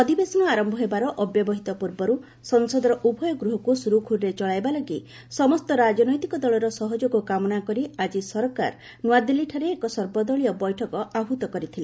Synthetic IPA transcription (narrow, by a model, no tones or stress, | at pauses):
ɔd̪ibesɔnɔaɾɔmbʱɔɦebaɾɔʔɔbjɔbɔɦit̪ɔpuɾbɔɾu | sɔŋsɔd̪ɔɾɔʔubʱɔjɔɡɾuɦɔkusuɾukʰuɾɾet͡ʃɔɭajbalɔɡi | sɔmɔst̪ɔɾad͡ʒɔnɔjt̪ikɔd̪ɔɭɔɾɔsɔɦɔd͡ʒɔɡukamɔnakɔɾiad͡ʒisɔɾɔka̰ɾ | nwad̪ilːiʈʰaɾeːkɔsɔɾbɔd̪ɔɭiɔbɔjʈʰɔkɔabʱut̪ɔkɔɾit̪ʰile